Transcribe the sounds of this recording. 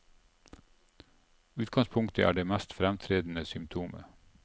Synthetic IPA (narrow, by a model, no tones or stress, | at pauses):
ʉːt̪̚ɡɑŋspʰʊŋkt̪əʔæ̰ːɖeːmæst̪fɾæmt̪ʰɾeːd̪n̩əsʏmt̪ʰuːmə̰